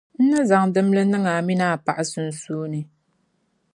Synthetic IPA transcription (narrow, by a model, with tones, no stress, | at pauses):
n̩˦nɨ˦za˨ŋdɨ˦mlɨ˦nɨ˦ŋa˨mi˦na˦˨pa˨ʔɨ˦sɨ˨n̩˨suː˦nɨ˨